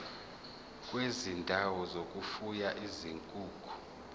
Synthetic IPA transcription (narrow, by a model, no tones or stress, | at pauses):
kʼwezindʱawɔzokʼufujaʔiziŋkʼuːkʰʼu̥